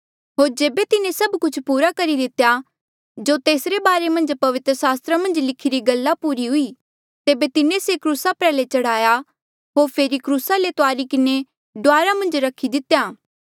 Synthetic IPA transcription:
ɦoːɾd͡ʒeːbet̪ɪnẽsɐbkʊt͡ʃʰpuːɾakɐɾid̪ɪt̪ja | d͡ʒoːt̪eːsɾebaːɾemɐ̃nd͡ʒpɐʋɪt̪ɾəsaːst̪ɾamɐ̃nd͡ʒlɪkʰiɾiɡɐlːapuːɾiɦʊi | t̪eːbet̪ɪnẽsekɾuːsapɾɛːlet͡ʃɐɽ̤aːja | ɦoːɾpʰeːɾikɾuːsalet̪oaːɾikɪne | ɖʊaːɾamɐ̃nd͡ʒɾɐkʰid̪ɪt̪jaː

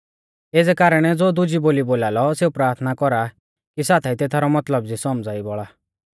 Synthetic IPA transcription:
eːd͡zɛkaːɾəɽ̃ɛd͡zoːd̪ʊd͡ʒiboːliboːlaːlɔseupɾaːɾt̪ʰnakɔɾa | kisaːt̪ʰait̪et̪ʰaɾɔmɐt̪ləb̚d͡zisɔmd͡zaːibɔɭa

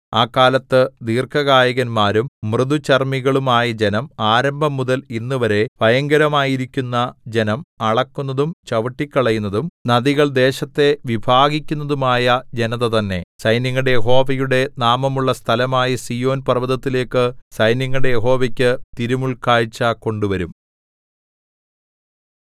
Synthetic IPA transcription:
aːkːaːlɐt̪ːɨd̪iːrkɐɣaːjɐɣɐnmaːɾumːrɨðut͡ɕɐrmiɣɐɭumaːjɐd͡ʑe̞nɐmaːɾɐmbʱɐmːuðɐlinːuʋɐɾe̞ʋɐjɐŋɡɐɾɐmaːjiɾikʲːunːɐd͡ʑe̞nɐmɐɭɐkːunːɐðumt͡ɕɐʋɐʈːikʲːɐɭɐjunːɐðumnɐðiɣɐɭd̪e̞ːɕɐt̪ːe̞ʋibʱaːɣikʲːunːɐðumaːjɐd͡ʑe̞nɐðɐt̪ɐnːe̞sɐjnjɐŋːɐɽejeɦo̞ːʋɐjuɽe̞naːmɐmuɭːɐst̪ʰɐlɐmaːjɐsijo̞ːnpɐrʋɐðɐt̪ːile̞ːkːɨsɐjnjɐŋːɐɽejeɦo̞ːʋɐkʲːɨt̪iɾumuɭkaːɻt͡ɕːako̞ɳɖuʋɐɾum

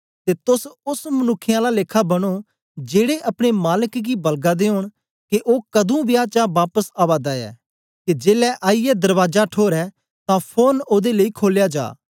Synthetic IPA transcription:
t̪eːt̪ʊsʊsmənʊkʰːɪjãːlaleːkʰːabɐɽ̃o | d͡ʒeːɽeʔɐpɽ̃emaːləkɡibɐlɡad̪eːoːɽ̃ | keʔoːkɐd̪ũːbɪjaːt͡ʃaːbaːpəsaːʋaːd̪aɛ̰ː | ked͡ʒeːlɛːʔaːijɛd̪əɾʋaːd͡ʒaʈʰoːɾɛː | t̪ãːpʰoːnoːd̪eləikʰoːljaːd͡ʒa̰ː

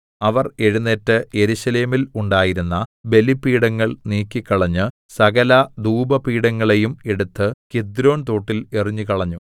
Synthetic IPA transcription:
ɐʋɐre̞ɻunːetːɨje̞ɾuɕɐle̞ːmiluɳɖaːjiɾunːɐbe̞lipːiːɽɐŋːɐɭniːkʲːikːɐɭɐɲːɨ | sɐɡɐlɐd̪uːbɐpiːɽɐŋːɐɭe̞jume̞ɽut̪ːɨked̪ɾo̞ːnt̪o̞ːʈːile̞riɲːukɐɭɐɲːu

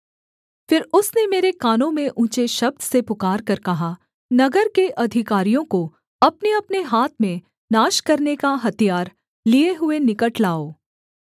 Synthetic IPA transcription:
fɪɾʊsnemeːɾekaːnõmẽʔũːt͡ʃeʃɐb̚d̪sepʊkaːɾkɐɾkɐɦa | nɐɡəɾkeʔɐd̪ʱɪkaːɾijõko | ɐpneɐpneɦaːt̪ʰmẽ | naːʃkɐɾnekaɦɐt̪ijaːɾ | lieɦʊenɪkəʈlaːoː

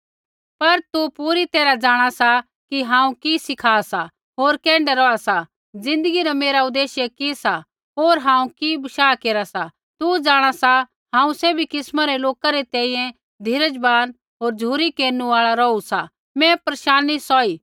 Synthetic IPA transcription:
pɐɾt̪upuːɾit̪eːɾad͡ʒaːɽ̃asa | kiɦãːũkisɪkʰaːsa | ɦoːɾkɛ̃ːɳɖɛɾɔasa | d͡zɪ̃nd̪əɡiɾameːɾaʊd̪eːʃjekisa | ɦoːɾɦãːũkibɐʃaːkeːɾasa | t̪ud͡ʒaːɽ̃asa | ɦãːũseːbʱikɪsmaɾɛloːkaɾɛt̪ɛ̃ːĩjɛ̃ | d̪ʱɪɾəd͡ʒbaːn | ɦoːɾd͡ʒʱuːɾikeːɾnuaːɭaɾɔusa | mɛ̃pɾɐʃaːnisɔiː

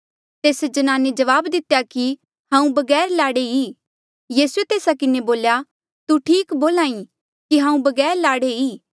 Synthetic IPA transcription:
t̪eːsd͡ʒɐnaːned͡ʒɐʋaːbd̪ɪt̪ejaki | hãːũbɐɡɛːɾlaːɽeiː | jiːsuet̪eːsakɪneboːlja | t̪uʈʰiːkboːlãːĩ | kiɦãːũbɐɡɛːɾlaːɽeiː

